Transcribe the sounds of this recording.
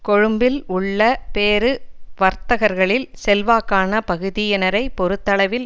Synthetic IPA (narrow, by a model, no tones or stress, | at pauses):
kɔɻɯmbɪlʊɭːɐpeːɾɯʋɐɾt̪ɐɣɐɾɣɐɭɪlsɛlʋaːkːaːnɐpɐɣɯðɪjɛnɐɾɐɪpɔɾɯt̪ːɐɭɐʋɪl